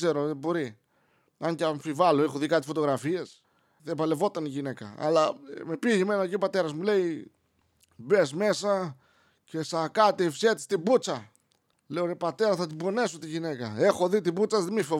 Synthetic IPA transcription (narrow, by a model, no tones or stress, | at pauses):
ze̞ɾoebo̞ɾi | ɐɲcɐɱfivɐloexoðikɐt̪ifo̞t̪oɣɾɐfie̞s | ðevɐle̞vo̞t̪ɐniʝine̞kɐ̰ɐ̰lɐme̞piʝeme̞nɐecio̞pɐt̪e̞ɾɐzmule̞i | be̞sme̞sɐ | ce̞sɐkɐt̪iefset̪i̥st̪ibut͡sɐ | leoɾepɐt̪e̞ɾɐθɐt̪̬ibo̞ne̞sot̪iʝinekɐe̞xo̞ðit̪ibut͡sɐzðemifo